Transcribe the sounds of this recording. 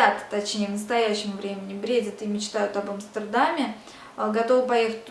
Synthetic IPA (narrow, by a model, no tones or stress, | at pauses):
at̪t̪ɐt͡ɕnʲejvnəst̪ɐjæɕːɪmvɾʲemʲɪnʲɪbɾʲedʲət̪ɨmʲɪt͡ɕt̪ajʊt̪ɐbɐmst̪ərd̪amʲɪ | ɡɐt̪o̞vɨpɐjexə̥tʲ